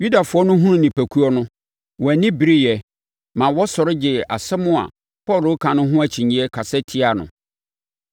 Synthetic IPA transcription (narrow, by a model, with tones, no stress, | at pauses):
ju˦da˨fʊ˦ɔ˦nʊ̃˦ɦũ˦nʊ̃˦nĩ˨pʰæ˨kʰu˦ɔ˦nʊ̃˦ | wɔ˨æ˨nɪ̃˦bi˨ɾi˦jɛ˨ | mã˨wɔ˦sɔ˨ɾɪ˦d͡ʑɪ˨a̰˨sɛ˦mʊ̃˦a̰˨ | pʰɔ˦˨lʊ˨˦kʰã˨nʊ̃˦ɦʊ̃˦æ˨t͡ɕʰĩ˨ɲĩ˦ɛ˦kʰa˨sɛ˦tʰi˦a˨nʊ̰̃˨